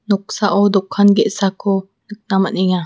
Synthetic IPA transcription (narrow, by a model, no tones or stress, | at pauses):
nʊk̚saʔɔd̪ukʰanɡɛʔsako | nək̚namaniŋa